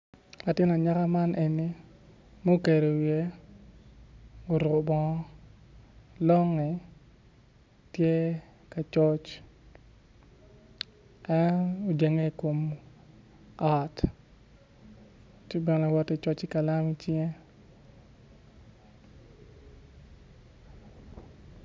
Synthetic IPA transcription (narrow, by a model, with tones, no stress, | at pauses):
a˨tɪ˦na˨ɲa˦ka˦ma˦nʔe˨ni˦ | mo˦ke˨ɾe˨wje˦ | o˨ɾo˨bɔ˦ | lɔ˦ŋːɛ˨ | tje˦ | ka˨t͡ʃɔ˦t͡ʃ | ɛ˦no˨d͡ʒe˨ŋe˦ko˨m | a˦t | t͡ʃe˦bɛ˨ŋla˨wɔ˦tɛ˨t͡ʃɔ˦t͡ʃɪ˦ka˨la˦mi˦t͡ʃe˦